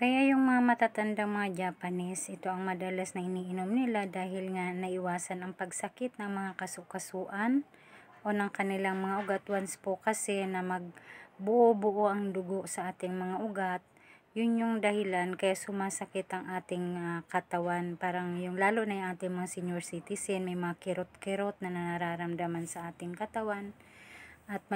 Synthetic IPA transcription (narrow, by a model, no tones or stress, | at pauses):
kɐjajʊŋmɐŋamɐt̪aːt̪ɐnd̪aŋmɐŋad͡ʒaːpɐnɪsʔɪt̪o̞ʔɐŋmɐd̪ɐlasnɐɪniːʔɪno̞mnɪlad̪aːɦɪlŋanɐʔɪwaːsɐnɐŋpɐɡsɐkɪt̪̚nɐŋmɐŋakɐsʊʔkɐsuːʔan | ʔo̞nɐŋkɐnɪlaŋmɐŋaʔʊɡat̪wanspokɐsɛnɐmɐɡ̚bʊʔobʊʔoʔɐŋd̪ʊɡo̞ʔsɐʔaːt̪ɪŋmɐŋaʔʊɡat̪̚ | jʊnjʊŋd̪ɐhɪlankɐjaʔsʊmaːsɐkɪt̪ɐŋʔaːt̪ɪŋakɐt̪ɐwanpaːɾɐŋjʊŋlaːloʔnɐjʊŋʔaːt̪ɪŋmɐŋasɪɲoɹsit̪ɪsɛnmɐjmɐŋakɪɾot̪̚kɛɾot̪̚nɐnɐɾaɾaːɾɐmd̪amansɐʔaːt̪ɪŋkɐt̪ɐwan | ʔɐt̪̚m